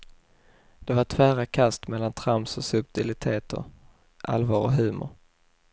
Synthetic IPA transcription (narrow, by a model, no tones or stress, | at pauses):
d̪̥ɛvaʈʰvæːɾakʰast̪mɛlːant̪ʰɾamsɔsɵp̚t̪ɪlɪt̪ʰeːt̪ʰə̰ɾ | ʔa̰lvɑːɾɔ̰ɦʉ̟ːmʊ̰ɾ